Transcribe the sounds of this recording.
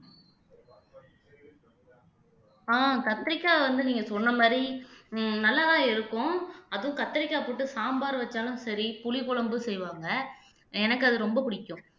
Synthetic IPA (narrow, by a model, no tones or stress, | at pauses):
aːkɐt̪ːɐɾɪkːaːʋɐnd̪ɯniːŋɡɐsɔnːɐmaːdɾi | nɐlːaðãːɪɾɯkːʊ̃ɐðɯʊ̃kɐt̪ːɐɾɪkːaːpoːʈːɯsaːmbaːɾʋɐt͡ʃːaːlɯ̃sɐɾipʊɭɪpʊɭɐmbɯsɛjʋaːŋɡɐ | ɛnɐkːɐðɯɾɔmbɐpʊɽɪkːʊ̃